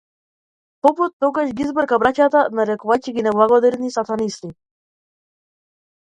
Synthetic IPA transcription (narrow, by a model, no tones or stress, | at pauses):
pɔput̪ːɔɡaʃɡiizbɾkabɾacat̪anaɾɛkuvaciɡinɛblˠaɡɔd̪ɛɾnisat̪anisli